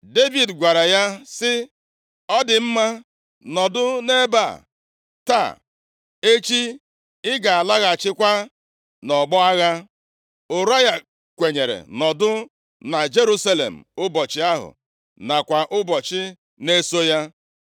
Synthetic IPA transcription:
de˦vi˨dɡʷa˨ɾa˨ja˦sɪ˦ | ɔ˦dɪ˨m̩˦ma˦ | nɔ˨dʊ˦ne˦ba̰˦˨ | ta̰˦˨ | e˦t͡ʃi˦ | ɪ˦ɡa˨a˨la˦ɣa˨t͡ʃɪ˦kʷa˦ | nɔ˨ɡ͡bɔ˦a˦ɣa˦ | ʊ˨ɾa˦ɣa˦ | kʷe˨ɲe˨ɾḛ˨nɔ˨dʊ˦ | na˨d͡ʒe˦ɾu˦sa˦lḛ˨m̩˨ʊ˦bɔ˨t͡ʃɪ˦a˦ɦʊ̰˨ | na˨kʷa˨ʔʊ˦bɔ˨t͡ʃɪ˦ | ne˦so˦ja˦

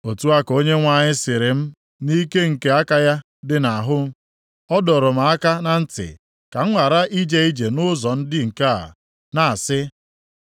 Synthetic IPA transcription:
o˨tu˦a˦ko˦ɲe˦ŋʷa˨ɲɪ˦sɪ˨ɾɪ˨m̩˦ | ni˦ke˦ŋ̩˨ke˦a˦ka˦ja˦ | dɪ˦na˨ɦʊ˦m̩˦ | ɔ˦dɔ˨ɾʊ˨m̩˨a˦ka˦na˦n̩˦tɪ̰˨ | ka˨ŋ̩˦ŋʷa˨ɾa˦ʔi˦d͡ʒe˦i˦d͡ʒe˨nʊ˦zɔ˨n̩˦dɪ˦ŋ̩˨ka̰˦˨ | na˨a˨sɪ˦

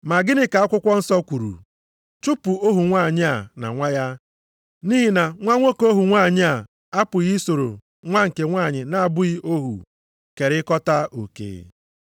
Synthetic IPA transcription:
ma˨ɡɪ˦nɪ˦ka˨a˦kʷʊ˦kʷɔ˦n̩˦sɔ˦kʷu˨ɾṵ˨ | t͡ʃu˦pʊ˨o˦ɦu˨ŋʷa˦˨ɲɪ˦a˨na̰˨ŋʷa˦ja˦ | ni˦ɦi˨na˨ŋʷa˦ŋʷo˦ko˦ɦu˨ŋʷa˦˨ɲɪ˦a˨ | a˦pʊ˨ɣi˦so˨ɾo̰˨ | ŋʷa˦ŋ̩˨ke˨ŋʷaː˦˨ɲɪ˨na˨a˨bʊ˦i˦o˦ɦṵ˨ | ke˨ɾɪ˦kɔ˦ta˦o̰˨kḛ˨

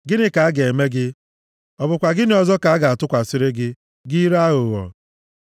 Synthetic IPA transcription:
ɡɪ˦nɪ˦ka˨a˦ɡe˨me˦ɡɪ˦ | ɔ˨bʊ˨kʷa˨ɡɪ˦nɪ˦ɔ˨zɔ˦ka˨a˦ɡa˨a˨tʊ˦kʷa˨sɪ˦ɾɪ˦ɡɪ˦ | ɡi˦i˦ɾa˦ɣʊ˨ɣɔ̰˨

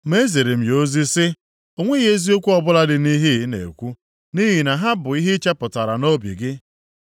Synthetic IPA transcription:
m˦e˦ze˨ɾi˨m̩˨jo˦zi˦sɪ˦ | o˨ŋʷe˦ɣe˦zi˦o˦kʷu˦ɔ˨bʊ˦la˦dɪ˨ni˦ɦi˦nḛ˨kʷu˦ | ni˦ɦi˨na˨ɦa˦bʊ˨i˦ɦɪ˦t͡ʃa˦pʊ˨ta˨ɾa˨no˦bḭ˨ɡɪ˦

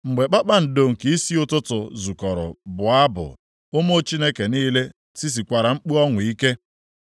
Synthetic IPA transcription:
ŋ͡m̩˨ɡ͡be˨k͡pa˦k͡pa˦n̩˨do˦˨ŋ̩˨ki˨˦i˦si˦ʊ˦tʊ˦tʊ˨zu˨kɔ˨ɾʊ̰˨bʊ˨a˦bʊ̰˨ | ʊ˦mo˦t͡ʃi˦ne˦ke˨niː˦le˦ | si˦s̬i˨kʷa˨ɾa˨ŋ͡m̩˦k͡pu˦ɔ˦ŋʊ˨i˦ke˦

